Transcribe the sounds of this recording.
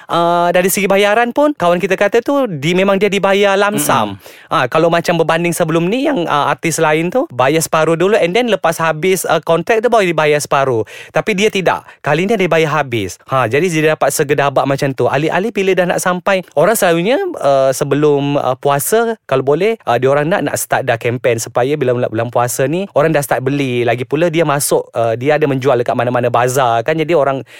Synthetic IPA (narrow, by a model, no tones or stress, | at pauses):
ʔədaɾisəɡibajaɾanpʊnkawankit̪akat̪at̪udimemaŋdiadibajalamsa̰m | ʔakalawmat͡ʃambərbandɪŋsəbəlʊmnijaŋə̰ʔa̰rt̪ɪslaɪnt̪ubajasə̥paɾuduluʔɛndɛnləpashabɪsəkɔnt̪ɾɛk̚t̪ubawadibajasə̥paɾut̪apidiat̪ida̰ʔkaliniadibajaɦabɪshãd͡ʒadiddidapat̪̚səɡədabaʔmat͡ʃamt̪ua̰liʔa̰libilədahna̰ʔsampajʔoɾaŋsəlaɾuɲəəsəbəlʊmə̰puasəkalabolɛhʔədioɾaŋna̰ʔna̰ʔsə̥t̪aʔ̚dakɛmpɛnsu̥pajabilana̰ʔbəlaŋpuasanioɾaŋdahsə̥t̪at̪ʔ̪̚bəlilaɡipuladiamasʊk̚ədiaadaməɲd͡ʒualəkaʔ̚manamanabazakand͡ʒadioɾaŋ